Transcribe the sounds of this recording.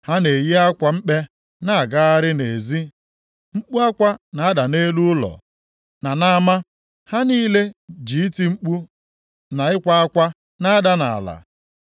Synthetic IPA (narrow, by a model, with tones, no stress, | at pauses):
ha˦ne˨ji˦a˦kʷa˨ŋ͡m̩˦k͡pe˦ | na˦a˨ɡa˦a˦ɾɪ˦ne˨zi˦ | ŋ͡m̩˦k͡pu˦a˦kʷa˦na˨a˦da˨ne˦lu˦ʊ˦lɔ̰˨ | na˨na˦ma˦ | ha˦niː˦le˦d͡ʒi˨i˦ti˦ŋ͡m̩˦k͡pu˦ | na˨ɪ˦kʷa˦a˦kʷa˦ | na˦a˦da˦na̰˨la̰˨